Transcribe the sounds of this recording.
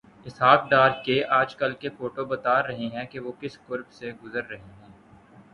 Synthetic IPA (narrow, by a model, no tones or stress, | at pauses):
ɪsɦaːkɖaːɾkeaːd͡ʒkɐlkefoːʈobɐt̪aːɾːɐɦeɦɛ̃keʋoːkɪskʊɾbseɡʊzəɾːɐɦeɦɛ̃ː